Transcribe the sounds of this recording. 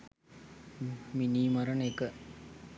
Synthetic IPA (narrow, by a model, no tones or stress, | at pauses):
miniːmɐɾɐnekə